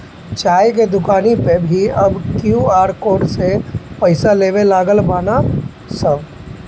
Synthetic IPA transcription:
t͡ʃaːjk̬ed̪ʊkaːnipebʱiɐbkjuaːɾkoːɖsepɐɪsaleːʋelaːɡəlbaːna | səb

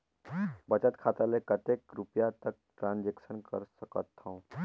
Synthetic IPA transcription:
bət͡ʃət̪kʰat̪alekət̪ekɾupijat̪ək̚ʈɾãnd͡ʒeksənkə̰ɾsəkət̪ʰːãũ

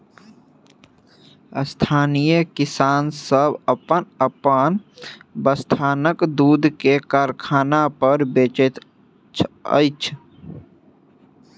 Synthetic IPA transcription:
st̪ʰaːnijəkɪsaːnsəbəpənəpənbəst̪ʰaːnəkd̪uːd̪ʱkekaːɾkʰaːnapəɾbeːt͡ʃət̪ | t͡ʃʰə̰ɪt͡ʃʰ

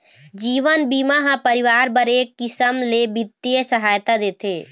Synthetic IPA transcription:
d͡ʒiːʋənbiːmaɦãpəɾɪʋaːɾbɐɾeːkːɪsəmlebɪt̪ːijəsəɦaːjt̪ad̪eːt̪ʰeː

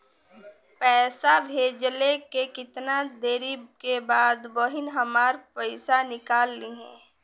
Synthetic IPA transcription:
pɛːsabʱeːd͡ʒlekekɪt̪nad̪eːɾikebaːd̪bəɦɪnɦəmaːɾpəɪsanɪkaːlːiɦɛ̰̃ː

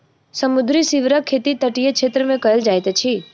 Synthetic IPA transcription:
səmud̪ʱɾisiʋɾəkʰːet̪it̪əʈijekt͡ʃʰet̪ɾəmẽkəeld͡ʒajt̪ət͡ʃʰi

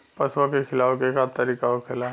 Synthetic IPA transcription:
pɐswakekʰɪlaːʋkekat̪ɐɾiːkaokʰɪla

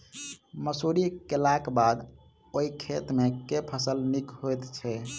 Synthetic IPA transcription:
məsuɾikelakbad̪ | oikʰet̪mekepʰəsəlnikɦojt̪t͡ʃʰɛ

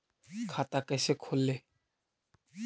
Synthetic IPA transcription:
kʰat̪akasekʰolːe

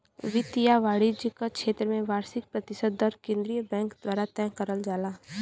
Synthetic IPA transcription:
ʋɪt̪ijaʋaːɽid͡ʒikakʃeːt̪ɾəmẽʋaːɾsɪk̚pɾɐt̪ɪʃəd̪ɔɾkẽːnd̪ɾijəbɛ̃ːŋkd̪waːɾat̪ɛ̃ːkəɾəld͡ʒaːlaː

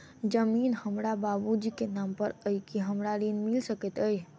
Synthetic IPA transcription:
d͡ʒəminhəmɾababud͡ʒikenampəɾəjkiɦəmɾaɾinmilsəkɛt̪əj

